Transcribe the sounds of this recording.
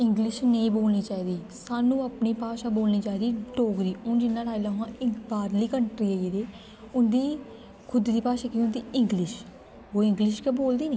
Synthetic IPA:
ɪŋɡlɪʃnəĩːboːlniːt͡ʃaːiːd̪iː | saːnũːaːpniːpaːʃaːboːlniːt͡ʃaːiːd̪iːɖoːɡɾiːʊnd͡ʒɪnːãːʈaːilaːɦãːɪbaːɾliːkəɳʈɾiːəeːd̪eː | ʊnd̪iː | kʰʊd̪d̪iːpaːʃaːkiːʊnd̪iːɪŋɡlɪʃ | oːɪ̃ŋɡlɪʃkeboːld̪iːneː

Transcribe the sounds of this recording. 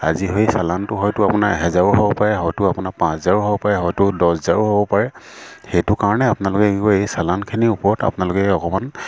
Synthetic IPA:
a̰ziɦojsalantʊɦɔjtʊapʊnakɦɛzaɹuɦobɔpaɹɛɦɔjtʊapʊnak̚pãszaɹuɦobɔpaɹɛɦɔjtʊdɔszaɹʊɦobɔpaɹɛ | xejtʊkaɹɔnɛapʊnalʊkɛɡibɔejsalankʰiniʊpɔɹɔta̰pʊnalʊkɛɔkɔman

